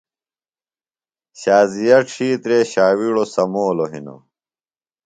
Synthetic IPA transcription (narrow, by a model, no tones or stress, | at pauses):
ɕaːzijɐʈ͡ʂʰiːt̪ɾeːɕaːwiɽosɐmoːloɦḭno̰